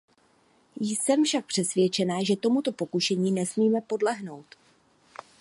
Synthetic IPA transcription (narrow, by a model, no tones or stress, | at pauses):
jsɛmfʃak̚pr̥ɛsvjɛt͡ʃɛnaːʒɛt̪o̞mut̪o̞po̞kuʃɛɲiːnɛsmiːmɛpo̞dlɛɦno̞wt̪